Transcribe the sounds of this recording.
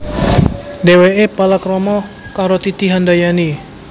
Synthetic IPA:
deweʔepalakɾɔmɔ | kaɾot̪it̪iɦandajani

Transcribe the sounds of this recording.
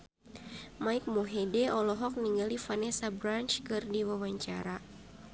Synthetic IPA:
maik̚moɦɛdɛʔɔlɔɦɔk̚niŋɡalifanɛsabɾant͡ʃkɨrdiwawaɲt͡ʃa̰ɾa

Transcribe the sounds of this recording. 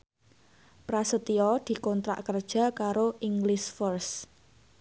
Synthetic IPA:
pɾasət̪iɔd̪̥i̤kɔnt̪ɾa̰ʔkərd̥ʒ̥ä̤kaɾoʔiŋɡlɪsfərs

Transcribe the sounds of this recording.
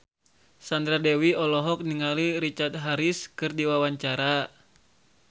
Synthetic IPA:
sand̪ɾadɛwiɔlɔɦɔk̚niŋaliɾit͡ʃart̪̚ɦaɾiskɨrdiwawaɲt͡ʃaɾa

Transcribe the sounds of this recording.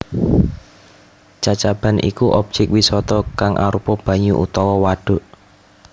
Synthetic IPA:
t͡ʃat͡ʃab̥a̤nʔḭkuʔɔb̚d͡ʒ̥ɛkwisɔt̪ɔkaŋʔa̰ɾupɔb̥ä̤ɲuʔṵt̪ɔwɔwaɖ̥o̤ʔ

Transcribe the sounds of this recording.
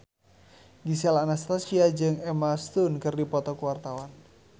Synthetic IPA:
ɡisialanast̪asiad͡ʒɨŋɛmast̪unkɨrdipɔt̪ɔkuwart̪awan

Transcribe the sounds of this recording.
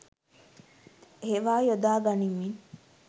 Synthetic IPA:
heʋaːjod̪aːɡɐnimːin

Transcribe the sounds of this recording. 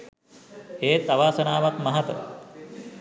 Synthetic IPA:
eːt̪aʋaːsənaːʋakmɐɦɐt̪ə̰

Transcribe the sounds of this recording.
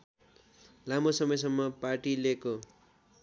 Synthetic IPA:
lamosʌmʌjsʌmːʌparʈileko

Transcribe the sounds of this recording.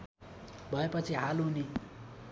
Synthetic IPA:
bʱʌepʌt͡sʰiɦaluni

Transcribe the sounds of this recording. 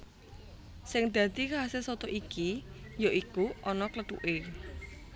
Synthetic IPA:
sɪŋd̪̥ä̤t̪ikaasesɔt̪oʔikijoʔikuʔɔnɔkləʈ̪ṵʔe

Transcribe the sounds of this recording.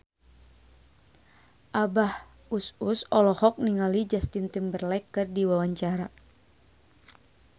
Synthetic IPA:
ʔabah | ususɔlɔhɔk̚niŋalid͡ʒast̪int̪imbərlɛkɨrdiwawaɲt͡ʃaɾa

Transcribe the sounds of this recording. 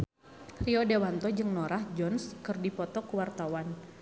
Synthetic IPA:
riɔdewant̪ɔd͡ʒɨŋnɔɾahd͡ʒɔnskɨrdipɔt̪ɔkuwart̪awan

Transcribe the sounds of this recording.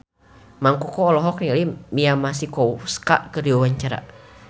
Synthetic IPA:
maŋkɔkɔːlɔɦɔknalimiamasikɔuska̰ʔkərdiwawaɲt͡ʃaɾa̰

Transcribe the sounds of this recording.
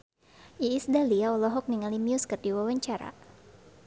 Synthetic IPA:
ʔiːsdaliaɔlɔɦɔk̚niŋalimiuskərdiwawaɲt͡ʃaɾa̰

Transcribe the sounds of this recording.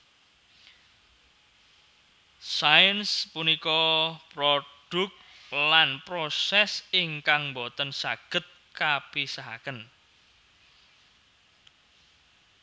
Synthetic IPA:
sajənspunikɔpɾoɖ̥ʊ̤k̚ | lanpɾosɛsiŋkaŋmbot̪ənsaɡ̥ə̤t̪̚kapisaɦa̰kən

